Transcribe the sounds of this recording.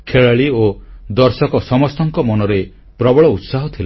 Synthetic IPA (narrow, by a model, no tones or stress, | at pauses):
kʰeɭaɭiod̪ɔɾsɔkɔsɔmɔst̪ɔŋkɔmɔnɔɾe | pɾɔbɔɭɔut̪saɦɔt̪ʰila